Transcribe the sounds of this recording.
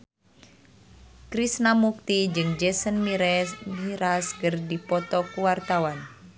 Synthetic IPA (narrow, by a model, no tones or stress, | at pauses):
kɾisnamuk̚t̪id͡ʒɨŋd͡ʒɛsənmiɾɛmiɾaskərdipɔt̪ɔkuwart̪awan